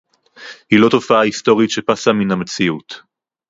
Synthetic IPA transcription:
hilo̞to̞faaisto̞ʁitʃe̞pasaminhame̞t͡siut

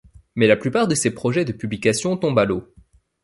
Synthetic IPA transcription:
mɛlaplypaʁd̪əsepχɔʒɛd̪əpyblikasjɔ̃t̪ɔ̃balo

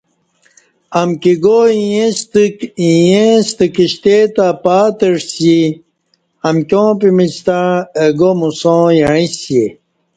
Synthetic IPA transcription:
ɐmkiɡoijest̪ijẽst̪əkiɕt̪et̪apaːt̪əʂsi | ɐmkʲjõːpimit͡ɕt̪aeɡomusõjaɻisje

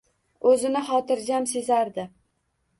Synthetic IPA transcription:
ɵzɪnɪχɒt̪ɪɾd͡ʒamsezaɾd̪ɪ

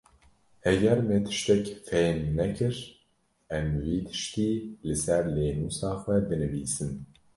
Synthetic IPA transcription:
hɛɡɛɾmɛt̪ʰɨ̥ʃt̪ɛkfɛjmːɛkʰɨɾ | ɛmwiːt̪ʰɨ̥ʃt̪iːlɨsɛɾleːnuːsɑːxʷɛbɨnɨviːsɨn

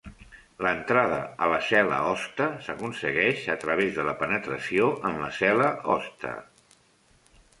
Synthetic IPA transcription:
lənt̪ɾað̞ə̰ələsɛlə̰ɔst̪əsəkunsəɣɛʃət̪ɾəβ̞ezðələpənət̪ɾəsioʔənləsɛləɔ̰st̪ə̰

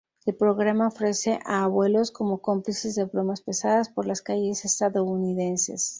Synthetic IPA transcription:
elpɾo̞ɣɾamaofɾe̞se̞ʔaːβwe̞lo̞sko̞mo̞ko̞mplise̞zðe̞βɾo̞maspe̞saðaspo̞ɾlaskaʝe̞sest̪aðo̞uniðe̞nse̞̰s

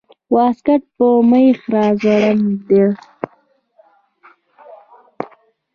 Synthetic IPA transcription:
wɑːskaʈ̚pəməjxɾɑːzaɽand̪e

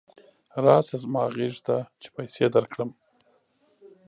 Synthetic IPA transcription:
ɾɑsazmɑɣeʐt̪at͡ʃe̥pajsed̪aɾkɽəm

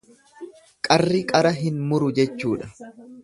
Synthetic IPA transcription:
kʼɐrːɪkʼɐɾɐɦɪnmʊɾʊd͡ʒɛt͡ʃːuːᶑɐ

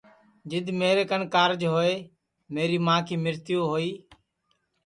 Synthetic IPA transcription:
d͡ʒɪd̪meːɾeːkənkaːɾd͡ʒɦoːeː | meːɾiːmãːkʰiːmɪɾt̪ɪjoːɦoːiː

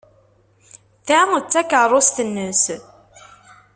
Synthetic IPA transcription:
θæt͡sːækːərˤosθənːəs

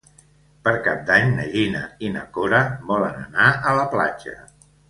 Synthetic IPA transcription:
pəɾkap̚d̪aɲnə̰ʎinəinəkoɾəβɔlənənaələpla̰d͡ʒə̰

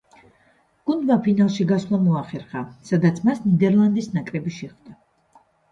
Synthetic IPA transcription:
ɡ̥und̪mapʰinalˠʃiɡasvlˠamɔaχɛɾχasad̪at̪sʰmasnid̪ɛɾlˠand̪isnakʼɾɛbiʃɛχvd̪a

